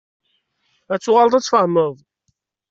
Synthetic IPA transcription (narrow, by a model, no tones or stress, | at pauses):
æt͡sːʊʁalt̪ˤæt͡sːfəʕməðˤ